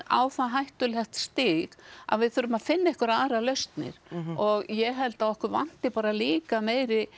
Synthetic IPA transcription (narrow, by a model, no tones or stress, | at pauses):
a̰wθaɦajht̪ʏlɛxt̪st̪ɪɣa̰ðvɪðθʏɾʏmaðfɪnːaɛhkʏɾaːɾalœɥst̪nɪ̰ɾ̥ɔɣjɛɦɛlt̪aɔhkʏɾva̰n̥t̪ɪpaːɾaliːkameːjɾɪ